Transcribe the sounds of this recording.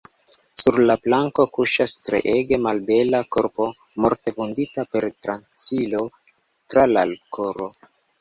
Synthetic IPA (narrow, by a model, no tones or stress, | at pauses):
suɾlaplaŋko̞kuʃastɾḛʔeɡe̞malbe̞lako̞ɾpo̞ | mo̞ɾte̞bunditape̞ɾtɾant͡silo̞ | tɾalalkʰoɾo̞